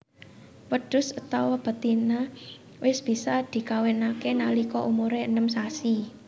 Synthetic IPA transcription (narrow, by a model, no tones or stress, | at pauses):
wəɖ̥ʊ̤sət̪awɔb̥ə̤t̪ina | wɪsb̥i̤sad̪̥i̤kawenakenalikɔʔumuɾeənəms̬asi